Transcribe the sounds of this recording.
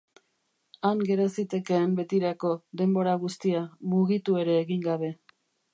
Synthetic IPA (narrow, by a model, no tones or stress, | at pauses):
aŋɡe̞ɾosit̪e̞ke̞ːmbe̞t̪iɾako̞d̪e̞mbo̞ɾaɣ̞ust̪iamuɣit̪ue̞ɾe̞ːɣiŋɡaβ̞e̞